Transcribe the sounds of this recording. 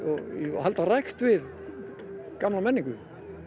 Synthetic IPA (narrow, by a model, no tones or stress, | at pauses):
ɔhalt̪araxt̪vɪð | kamlamɛnːiŋkʏ